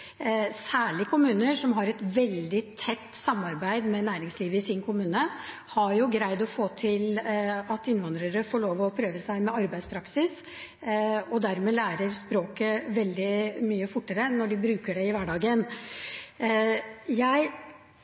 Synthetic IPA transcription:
sæːɭɪkʰʊmʉːnəʂɔmɦɑɾɛt̪ʋɛld̪ɪt̪ʰːɛt̪ːsɑmɑɾbæɪd̪mɛnæːɾɪŋsliːʋəɪsɪnkʰʊmʉːnə | hɑɾjʊɡɾæɪd̪ɔfoːt̪ʰɪlɑt̪ɪnːʋɑnd̪ɾəɾəfoːɭoːʋɔpʰɾøːʋəsæɪmɛɑɾbæɪspʰɾɑksɪs | ɔd̪æɾmɛːlæːɾəɾspɾoːkəʋɛld̪ɪmyːəfʊʈːəɾənɔɖɪbɾʉːkəɖɛɪʋæɖɑːɡən | jæɪ

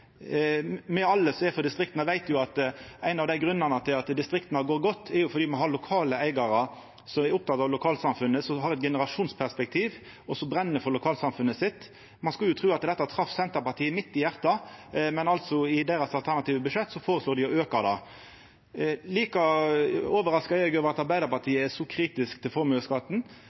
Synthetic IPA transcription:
mɛɑlːəsɔɛfɔd̪ɪst̪ʁɪkt̪nəʋæɪt̪jʊɑt̪æɪnɑʋd̪æɪɡɾʉnːənət̪ʰɪlɑt̪d̪ɪst̪ɾɪkt̪nɑɡoːɾɡɔt̪ːɛɾjʊfɔɾdiːmɑnɦɑɾlʊkʰɑːləæɪɡɑɾə | sɔmɛɾʊp̚t̪ʰɑt̪ːɑːʋlʊkʰɑːlt̪sɑmfʉnːəsɔɦɑɾɛt̪̚ɡɛnəɾɑʂuːnspʰæʁspɛk̚t̪ʰiːʋ | ɔsɔbɾɛnːəɾfɔɾlʊkʰɑːlsɑmfʉnːəsɪt̪ː | mɑnskɑljʊt̪ʰɾʉːɑt̪d̪ɛt̪ːɑɑt̪ʰɾɑfsɛnt̪əpɑt̪ʰiːəmɪt̪ːɪjæʁt̪ɑmɛnɑlt̪sɔɪd̪eːɾɑsɑlt̪ʰæɾnɑt̪iːʋəbʉʂɛt̪ːsɔfoːɾəsloːd̪ɪɔøːkəd̪ɑ | liːkɑ | oːʋəɾɑskɑɛɡøːʋəɾɑt̪ɑɾbæɪd̪əɾpɑt̪ʰiːəæʂɔkʰɾiːt̪ɪskt̪ʰɪlfɔɾmʉəskɑt̪n̩

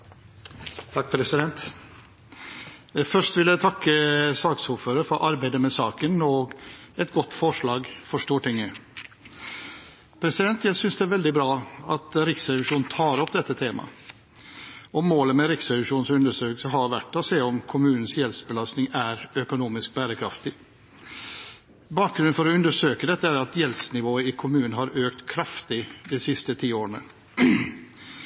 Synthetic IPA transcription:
t̪ʰɑk̚ːpʰɾɛsɪd̪ɛnt̪ | fœʂʈʋɪljæɪt̪ʰɑkːəsɑːksuːɾføːɾəɾfɔɾʔɑɾbæɪd̪əmɛsɑːkənɔɡɛt̪ɡɔt̪ːfɔʂɭɑːɡfɔʂʈ̪uːʈɪŋːə | pʰɾɛsɪd̪ɛnt̪ʰjæɪsʏnsd̪ɛæɾʋɛld̪ɪbɾɑːɑt̪ɾɪksɾɛʋɪʂuːnnt̪ʰɑːɾɔp̚d̪ɛt̪ʰːət̪ʰeːmɑ̰ | ɔmoːləmɛɾɪksɛʋɪʂuːnsʉnd̪əʂøːkl̩səɦɑɾʋæʈːɔseːɔmkʰʊmʉːnən̩sjɛlsbəlɑst̪nɪŋæɾœkʊnuːmɪsk̚bæːɾəkʰɾɑft̪ɪ | bɑːk̚ɡɾʉnnfɔɾɔʉnd̪əʂøːkəd̪ɛt̪ːəæɾɑt̪jɛlsnɪʋoːəɪkʰʊmʉːnɦɑɾøːkt̪kʰɾɑft̪ɪd̪ɛsɪst̪ət̪ʰiːoːɾəɳə

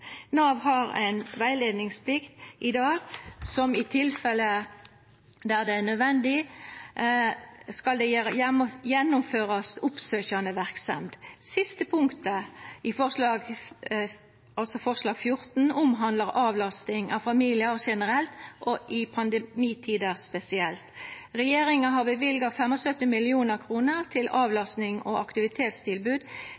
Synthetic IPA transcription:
nɑːʋhɑʁæ̰ɪnʋæɪleːd̪nɪŋspʰlɪkt̪ʔɪd̪ɑːɡsɔmɪt̪ʰɪlfɛlə | d̪æʁd̪ɛæʁnœd̪ʋɛnd̪ɪ | skɑld̪ɛ | jɛnːʊmføːʁɑsʊpsøːçɑnəʋæʁksɛ̰md̪sɪst̪əpʰʊŋkt̪əɪfɔʁʂlɑːɡ | ɑlsɔfɔʁslɑːɡfjʊʁt̪n̩ʊmɦɑnd̪ləʁʔɑːʋlɑst̪ɪŋʔɑʋfɑmiːlɪəɾʂɛnəʁɛlt̪ʔɔʔɪpʰɑnd̪əmiːt̪ʰiːd̪əʁspɛsɪɛlt̪ʁɛjeːɾɪŋɑɦɑʁbəʋɪlɡɑfɛmɔsœt̪ːɪmɪlɪuːnəʁkʰʁuːnəʁt̪ʰɪlɑːʋlɑst̪nɪŋɔʔɑkt̪ɪʋɪt̪ʰeːt̪st̪ʰɪlbʉːd̪

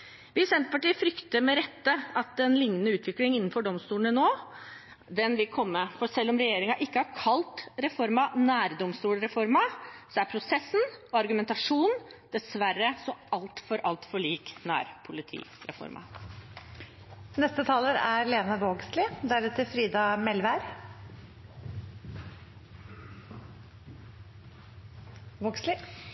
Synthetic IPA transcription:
ʋɪsɛnt̪ə̥pɑʈiːəfɾʏkt̪əɾmɛɾɛt̪ːəɑt̪ɛnlɪŋːnənəʉːt̪ʋɪklɪŋɪnːnfɔɖɔmst̪uːləɳənoː | d̪ɛnʋɪlkʰɔmːəfɔsɛlːɔmɾɛjeːɾɪŋɑʔɪkːəhɑɾkʰɑlt̪ɾɛfɔɾmɑnæːɾd̪ɔmst̪uːlɾɛfɔɾmɑsɔæɾpʰɾʊsɛsːn̩ɔɑɾɡʉmɛnt̪ɑʂuːnd̪̥ɛsʋæɾːəsɔɑlt̪fɔɾʔɑlt̪fɔɭiːknæ̰ːɾpʰʊlɪt̪ʰḭːɾɛ̰fɔ̰ɾmʔɑ̰ | nɛst̪ət̪ʰɑːləɾæɾleːnɑʋoːɡslɪd̪æɾɛt̪ʰəfɾiːd̪ɑmɛlʋæɾ | oːɡslɪ

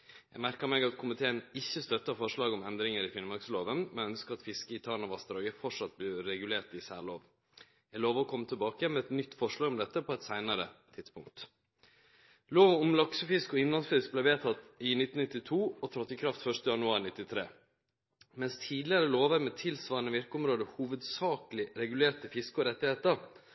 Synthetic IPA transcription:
jæ̰ɡmæɾkəmɛɡɑt̪kʰʊmɪt̪ʰeːənɪçːəst̪œt̪ːəfɔʂɭɑːɡɔmɛnd̪ɾɪŋəɾɪfɪnmɑksloːʋənmɛnœnskəɑt̪fɪskəɪt̪ʰɑɳɑʋɑst̪ɾɑːɡəfɔʂɑt̪̚blɪɾɛɡʉleːɾʈɪsæːloːʋ | jæɡloːʋəɾɔkʰɔmːət̪ʰəlbɑːkəmɛɛt̪nʏt̪ːfɔʂɭɑːɡɔmd̪ɛt̪ːəpʰɔɛt̪sæɪnəɾət̪ʰɪt̪spʊŋk̚t̪ | loːʋɔmlɑksəfɪskɔɪnlɑnsfɪsk̚blɛʋeːt̪ʰɑt̪ːɪnɪt̪ːn̩nɪt̪ːɪt̪ʰuːɔt̪ʰɾɑt̪ːɪkʰɾɑft̪fœʂt̪əjɑnʉɑːɾnɪt̪ːɪt̪ʰɾeː | mɛnst̪ʰiːd̪lɪəɾəloːʋəɾmɛt̪ʰɪlsʋɑːɾənəʋɪɾkəɔmɾoːd̪əhuːʋəd̪sɑːklɪɾɛɡʉleːʈəfɪskəɔɾɛt̪ːɪheːt̪əɾ

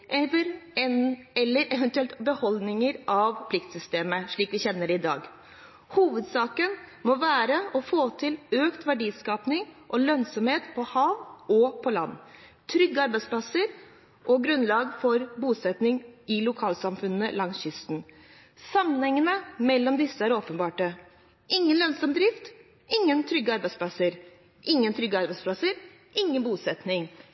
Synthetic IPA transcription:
ɛəɾɛɛlːəɾɛʋənt̪ʉɛlt̪bəhɔlnɪŋəɾʔɑʋpʰlɪkt̪sʏst̪eːməʂɭiːkʋɪçɛnːəɖɪd̪ɑ̰ːɡ | huːʋəd̪sɑːkənmɔʋæːɾəɔfoːt̪ʰɪløːkt̪ʋæɖiːskɑːpnɪŋʔɔlœnsɔmheːt̪pʰɔhɑːʋɔpʰɔlɑ̰nː | t̪ʰɾʏɡːəɑɾbæɪsplɑsəɾ | ʔɔɡɾʉnlɑːɡfɔɾbuːsɛt̪nɪŋɪlʊkʰɑːlsɑmfʉnːəlɑŋsçʏst̪n̩ | sɑmːənhɛŋːənəmɛlːɔmd̪ɪsːəæɾoːpənbɑːʈə | ɪŋːənlœnsɔmd̪ɾɪft̪ | ɪŋːənt̪ʰɾʏɡːəɑɾbæɪspʰlɑsəɾ | ʔɪŋːənt̪ʰɾʏɡːəɑɾbæɪspʰlɑsəɾ | ʔɪŋːənbuːsɛt̪nɪŋ

